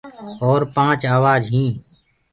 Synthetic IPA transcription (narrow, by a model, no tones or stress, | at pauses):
ɔːɾpãːt͡ʃaːʋaːd͡ʒɦĩː